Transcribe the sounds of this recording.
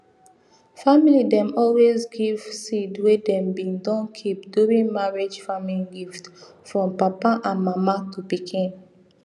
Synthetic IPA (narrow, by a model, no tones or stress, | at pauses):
familidɛ̃mɔlwezɡiv̥sidwedɛ̃mbĩndɔ̃nkʰip̚duɹĩnmaɹed͡ʒfamiliɡift | fɹɔ̃mpapaʔãnmamatupikʰĩn